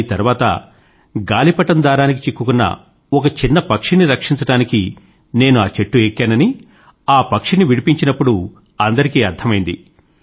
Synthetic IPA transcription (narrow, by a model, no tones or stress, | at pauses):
it̪ɐɾuʋaːt̪ɐ̰ | ɡaːlipɐʈɐnd̪aːɾaːnik̬it͡ʃikːukunːɐ̰ | ɔkɐt͡ʃinːɐpɐkʂiniɾɐkʂiɲt͡ʃɐɽaːniki | ne̞ːnuaːt͡ʃeʈːueːkːaːnɐni | aːpɐkʂiniʋiɽipiɲt͡ʃinɐpːuɽu | ɐnd̪ɐɾikiːɐɾd̪ʱʰːɐmɐjind̪ḭ